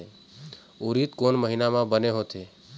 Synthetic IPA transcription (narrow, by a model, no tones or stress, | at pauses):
e | uɾit̪konməɦinamãbəneɦot̪e